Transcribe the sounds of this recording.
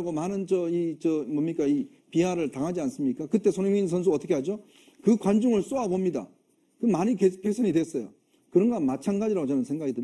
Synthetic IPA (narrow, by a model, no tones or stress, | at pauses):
ɡomanɯnt͡ɕʌit͡ɕʌmʌmɲik͈ai | piɦaɾɯɭtaŋɦad͡ʑians͈ɯmɲik͈akɯt͈e̞sʰoneŋinsʰʌnsʰuʌt͈ʰʌkʰeɦad͡ʑo | kɯkwand͡ʑuŋɯɭs͈oabomɲida̰ | kɯmaɲikepʰesʰʌɲidwes͈ʌjo̰ | kɯɾʌnɡamat͡ɕʰanɡad͡ʑiɾaɡot͡ɕʌnɯnsʰe̞ŋɡaɡidɯ